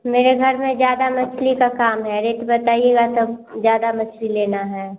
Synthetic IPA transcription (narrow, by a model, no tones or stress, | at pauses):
meːɾeɡʱɐɾmẽzjaːd̪amɐt͡ʃʰlikakaːmɦɛɾeːʈbɐt̪aːieːɡat̪ozjaːd̪amɐt͡ʃʰlileːnaɦɛː